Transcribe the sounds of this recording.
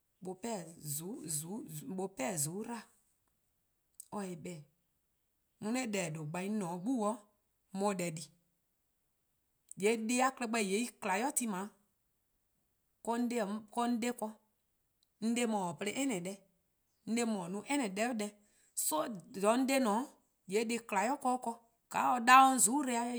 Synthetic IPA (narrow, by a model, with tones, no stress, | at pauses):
ɓo˨pɛ˦˨zu˨˦zu˨˦ɓo˨pɛ˦˨zu˨˦ɾa˦˨ | ɔ˧e˨bɛ˨ | nũ˧˦nɛ˦dɛ˨do˨ɡ͡bã˨ĩ˦nɔ̃˨˦ɡ͡bu˦wɔ˦ | mɔ̃˧˨dɛ˨di˨ | je˨˦de˦a˦klɛ˧˦k͡pɛ˧˨je˨˦i˦kla˨jɔ˦ti˦mã˨˦ | kɔ˧n̩˦de˦˨˦kɔ˧n̩˦de˦kɔ˧ | n̩˦de˧˦mɔ̃˨ɔ˨pe˧le˧˦ʔɛ˦nɛ̃˨dɛ˧ | n̩˦de˧mɔ̃˨nũ˧˦ʔɛ˦nɛ̃˨dɛ˦dɛ˧ | so˦jɔ˨˦n̩˦de˦nɔ̃˨˦ | je˨˦de˧kla˨jɔ˦kɔ˦kɔ˧ | ɡ̥a˨˦ɔ˧da˦ɔ˦n̩˦zu˨˦ɾe˧a˧˦